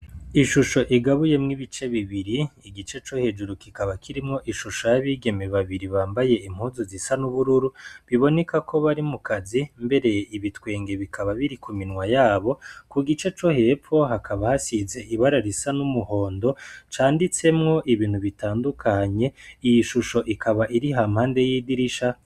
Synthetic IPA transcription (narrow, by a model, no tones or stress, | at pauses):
iʃuʃo̞ʔiɡaβuje̞mŋiβit͡ʃe̞βiβiɾiːɡit͡ʃe̞t͡ʃo̞he̞d͡ʒuɾukikaβakʰiɾimŋo̞ʔiʃuʃojaβiːɡe̞meβaβiɾiβaːmbaje̞im̥huzozisanuβuɾuɾuβiβo̞ne̞kakʰo̞βaɾimukazimbe̞ɾe̞ʔiβitwe̞ːŋɡe̞βikʰaβaβiɾikuminŋwajaːβo̞kuɡit͡ʃe̞t͡ʃo̞he̞p͡fo̞ɦakʰaβahasize̞iβaɾaɾisanumuho̞ːndo̞t͡ʃaːndit͡se̞mŋo̞ʔiβiːn̥huβitaːndukʰaɲe̞ijiʃuʃo̞ʔikʰaβaʔiɾiɦamhaːnde̞jiːdiɾiʃa